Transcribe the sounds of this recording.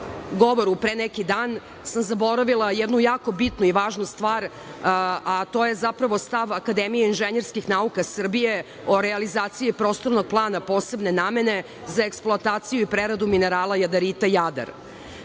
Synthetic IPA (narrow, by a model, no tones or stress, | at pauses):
ɡoʋoɾupɾenekid̪aːn | samzabo̞ɾaʋilˠajɛd̪nujaːko̞bit̪nuiʋaːʒnust̪ʋaːɾ | at̪oje̞zapɾaʋo̞st̪aʋakad̪emijeinʒeɲeɾskixnaukasr̩bije̞ | oɾealizaːt̪sijipɾo̞ːst̪o̞ɾnoɡ̚plˠaːnapo̞ːsebne̞naːme̞ne̞ | zaeksplˠoat̪aːt̪sijuipɾeɾad̪umineɾaːlˠajad̪aɾit̪ajad̪a̰ɾ